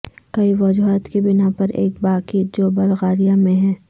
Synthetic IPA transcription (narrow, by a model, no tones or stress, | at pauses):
kɐiʋɐd͡ʒuɦaːt̪kibɪnapɐɾʔḛːk̚baːkid͡ʒoːbɐlɣaːɾijamẽɦɛː